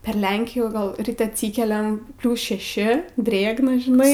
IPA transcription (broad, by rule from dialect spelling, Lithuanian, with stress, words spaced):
pʲɛr ˈlʲɛŋʲkʲɪjuː ˈɡɐlˠ ˈrʲɪtʲ ɐtʲˈsʲiːkʲɛlʲɛm ˈpʲlʲuːs ʃʲɛˈʃʲɪ ˈdʲrʲeːɡnɐ ʒʲɪˈnɐɪ